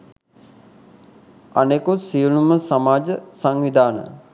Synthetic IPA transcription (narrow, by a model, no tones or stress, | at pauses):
anekusijunuməsamaːd͡ʒəsaŋʋid̪aːnə̰